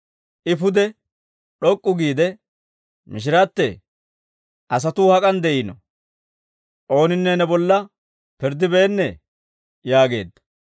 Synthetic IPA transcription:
ʔɪpʊd̪ɛ | ɗɔkʼːʊɡiːd̪ɛ | mɪʃ̬ɪɾat̪ːɛ | ʔɐs̬ɐt̪uːhɐkʼɐnd̪ɛʔinɔ | ʔo̞ːnɪnːɛnɛbɔlːɐ | pɪɾd̪ɪbeːnːɛ | jaːɡe̞̰ːd̪ːɐ̥

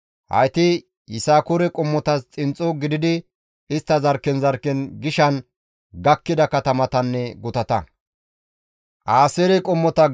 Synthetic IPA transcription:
hɐ̰jt̪ɪ | jɪsaːkʊɾɛkʼɔmːɔt̪ɐst͡sʼɪnt͡sʼːɔɡɪd̪ɪd̪ɪ | ɪst̪ːɐzɐɾkːɛnzɐɾkːɛnɡɪʃɐn | ɡɐkːɪd̪ɐkɐt̪ɐmɐt̪ɐnːɛɡʊt̪ɐt̪ɐ | ʔaːseɾɛkʼɔmːɔt̪ɐ

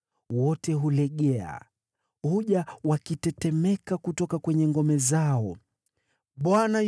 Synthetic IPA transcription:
wɔtɛɦulɛɠɛa̰ | huʄawakitɛtɛmɛkakutɔkakwɛɲɛŋɡɔmɛzaɔ | ɓwana

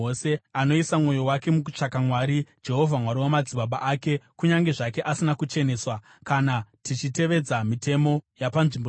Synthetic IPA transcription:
ose̞ano̞isamwo̞jo̞wake̞muku̥t͡ʂakamwaːɾid͡ʒe̞ɦo̞vʱamwaɾiwamad͡ziɓaɓaʔaːke̞kuɲaŋɡe̞ʐake̞ʔasinakut͡ʃe̞ne̞ːswa | kanatit͡ʃite̞ʋe̞d͡zamite̞mo̞japanʐimbo

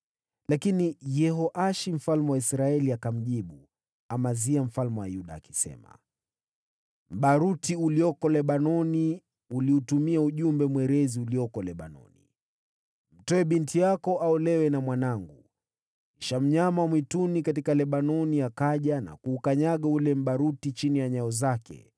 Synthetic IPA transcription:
lakinijɛɦɔʔaʃim̩falmɛwaisɾaɛliakam̩ʄiɓu | amaziam̩falmɛwa̰juɗa̰ːki̥sɛ̰ma̰ | m̩ɓaɾutiuliɔkɔlɛɓanɔni | uliutumiauʄumbɛmwɛɾɛziuliɔkɔlɛɓa̰nɔ̰ni | m̩tɔɛɓintijakɔʔaɔlɛwɛnamwanaŋɡu | iʃam̩ɲamawmwitunikatikalɛɓanɔnijakaʄana̰kuːkaɲaɠaulɛm̩ɓaɾutit͡ʃinijaɲaɔzakɛ̰

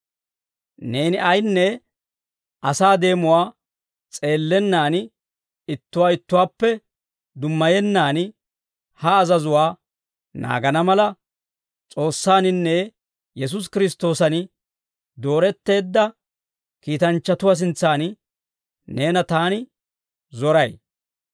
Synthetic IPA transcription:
ne̞ːnɪʔɐjnːɛ | ʔɐsaːd̪e̞ːmʊwaː | t͡sʼe̞ːlːɛnːaːn | ɪt̪ːʊwaːɪt̪ːʊwaːpːɛ | d̪ʊmːɐjɛnːaːn | hɐːzɐzʊwaː | na̰ːɡɐnɐmɐlɐ | t͡sʼo̞ːsːaːnɪnːɛ | jɛs̬ʊs̬kɪɾɪst̪o̞ːsɐn | d̪o̞ːɾɛt̪ːe̞ːd̪ːɐ | kiːt̪ɐnt͡ʃːɐt̪ʊwas̬ɪnt͡sːaːn | ne̞ːnɐt̪aːnɪ | zɔɾɐj

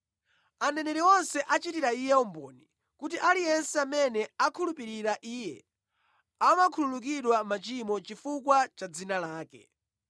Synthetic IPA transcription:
anɛnɛɾiɔnsɛʔat͡ʃitiɾaijɛɔmbɔ̰ːni | kut̬iʔalijɛnsɛamɛnɛakʰulupiɾiɾaʔiːjɛ̰ | amakʰululuk̬iɗwamat͡ʃimɔt͡ʃifukwat͡ʃad͡zinalaːkɛ̰

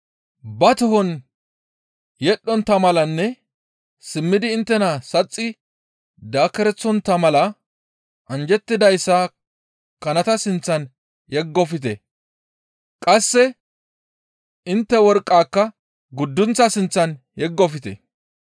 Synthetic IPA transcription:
bɐt̪ʊhɔn | jɛɗːɔnt̪ːɐmɐlɐnːɛ | sɪmːɪd̪ɪːnt̪ːɛnɐsɐt͡sʼːɪ | d̪aːkːɛɾɛt͡sːɔnt̪ːɐmɐlɐ | ʔɐnd͡ʒɛt̪ːɪd̪ɐjsːɐ | kɐnɐt̪ɐsɪnt͡sːɐn | jɛɡːɔfɪt̪ɛ | kʼɐsːɛ | ɪnt̪ːɛwɔɾkʼːaːkːɐ | ɡʊd̪ːʊnt͡sɐsɪnt͡sːɐn | jɛɡːɔfɪt̪ɛ̰

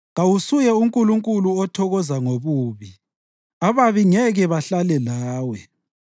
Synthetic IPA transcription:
ɣawusujɛuŋkʼuluŋkʼuluɔtʰɔɣɔzaŋoβuːβi | aβaβiŋɛɣɛβaɬalɛlaːwɛ

